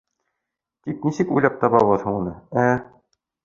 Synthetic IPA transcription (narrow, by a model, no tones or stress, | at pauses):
t̪ik̚nisɘkujlæp̚t̪ɑβɑβɤðhɤunɤæ